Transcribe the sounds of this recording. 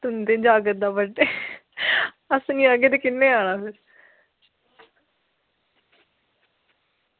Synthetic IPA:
t̪ʊnd̪eːd͡ʒaːɡət̪̚d̪aːbəɖeː | əsnĩːəɡeːt̪eːkɪnːeːaːɽãːpʰɪɾ

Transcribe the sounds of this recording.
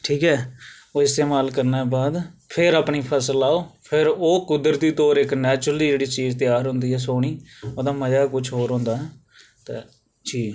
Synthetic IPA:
ʈʰiːkɦɛː | oːɪst̪eːmaːlkəɾneːbaːd̪pʰɪɾaːpɳiːpʰɛːsəlaːoːpʰɪɾoːkʊd̪ɾət̪iːt̪oːɾɪknɛːt͡ʃɾəliːd͡ʒeːɽiːt͡ʃiːzt̪ɪjaːɾɦʊ̃nd̪iːɦɛːs̬oːɽ̃iːoːd̪aːməd͡ʒaːkʊt͡ʃʰɦoːɾɦõːnd̪aːɦɛː | t̪eː | d͡ʒiː

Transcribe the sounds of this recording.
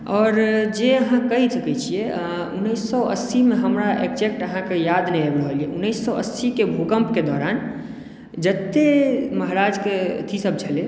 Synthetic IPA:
ɔːɾd͡ʒeəɦãkəisəkɛt͡ʃʰijɛ | unːəsːɔə̰simeɦəmɾaʔḛkd͡ʒek̚ʈəɦãkejad̪nɛabɽɦolijeʔunːəjsːɔə̰sːikebʱukəmpked̪ɔɾan | d͡ʒət̪ːeməɦɾad͡ʒket̪ʰisəb̚t͡ʃʰəle

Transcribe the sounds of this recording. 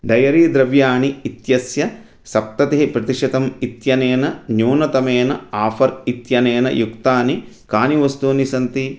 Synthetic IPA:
ɖɐjɐɾiːd̪ɾɐʋjaːɳiːt̪jɐsjɐ | sɐp̚t̪ɐt̪iɦipɾɐt̪iʂɐt̪ɐmit̪jɐneːnɐnjuːnɐt̪ɐmeːnɐaːfɐɾit̪jɐneːnɐ̰jukt̪aːni | kaːniʋɐst̪uːnisɐnt̪i

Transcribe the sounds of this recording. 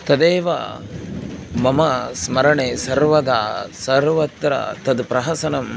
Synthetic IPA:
t̪ɐd̪eːʋɐ̰ | mɐmɐsmɐɾɐɳeːsɐɾʋɐd̪aːsɐɾʋɐt̪ɾɐ̰t̪ɐd̪pɾɐɦɐsɐnɐm

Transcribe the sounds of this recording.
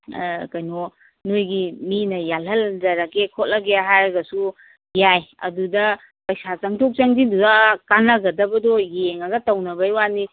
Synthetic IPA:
kɐjnɔ | nojɡiminɐjalɦɐlzɐɾakekʰot̚lɐɡeaɦajɾɐɡɐsu | jajɐ̰dudɐ | pɐjsazɐŋtʰok̚t͡ʃaŋdidudakanɐɡɐdɐbɐdɔjeŋaɡɐtɐwnɐbɐjwani

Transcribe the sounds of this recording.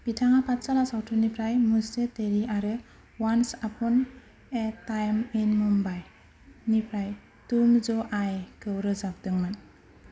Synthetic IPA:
b̥itʰaŋapʰat̚salasawtʰunipʰɾajmuseteɾiʔaɾɯ | wansapʰun | etajmenmumbaj | nipʰɾaj | tumzɔʔajkɯwɾɯzap̚dɯŋɯn

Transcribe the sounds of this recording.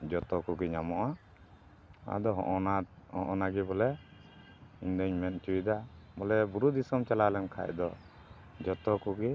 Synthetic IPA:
d͡ʒɔt̪ɔkuɡɛɲamɔʔa | a̰d̪ɔɦɔ̰ʔɔnahɔ̰ʔɔnaɡɛbɔlɛ | iɲd̪ɔɲmɛnt͡ʃuid̪abɔlɛbuɾud̪isɔmt͡ʃalalɛnkʰa̰ʔd̪ɔ | d͡ʒɔt̪ɔkuɡɛ

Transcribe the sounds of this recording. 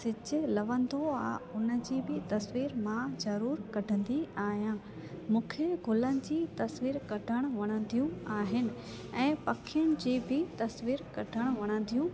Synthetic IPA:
sɪt͡ɕɪ̆lɐʋə̃nd̪oaːʊnə̆d͡ʑiːbɪt̪ɐsʋiːɾmãzɐɾuːɾkɐɖʱə̃nd̪iaːɦijãː | mũːkʰeɡʱʊlənɪ̆d͡ʑiːt̪ɐsʋiːɾkɐɖʱəɽ̃ʊʋɐɽ̃ə̃nd̪ʱijũaːɦɪnɪ̆ | ɛ̃ːpɐkʰijʊɽ̃ɪd͡ʑiːbɪt̪ɐsʋiːɾkɐɖʱəɽ̃ʋɐɽ̃ə̃nd̪ʱijũ

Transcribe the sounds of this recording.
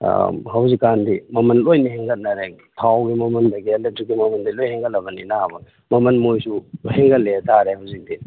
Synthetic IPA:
hawzikːandimɐmɐnlojniheŋɡɐt̚nɐɾe | pʰawɡimɐmɐndɐɡiɐldɐdɾikimɐmɐndilojheŋɡɐlːɐbɐninaabɐ | mɐmɐnmojsuheŋɡɐtlːetaɾehawzik̚di

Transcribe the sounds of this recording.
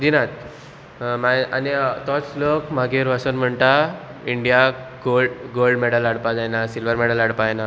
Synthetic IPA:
d͡ʑinat̪ | maanit̪ɔt͡slokmaɡiɾʋasənm̤əɳt̪a | iɳɖijaɡoɖɡolɖmɛɽəlaɽpad͡zajnasilʋəɾmɛɽəlaɽpajna

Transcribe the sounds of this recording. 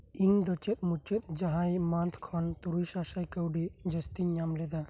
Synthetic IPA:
iŋd̪ɔt͡ʃɛt̪̚ˀmut͡ʃɛt̪̚ˀd͡ʒaɦajmant̪ʰkʰɔnt̪uɾusasajkəwɖid͡ʒəst̪iɲamlɛd̪a

